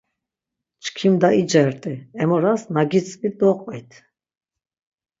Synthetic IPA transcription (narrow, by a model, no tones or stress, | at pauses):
t͡ʃʰʼkʰimd̪aid͡ʒɛɾt̪ʼɛɛmɔɾasnaɡit͡sʼvid̪ɔqʼwɛt̪ʰ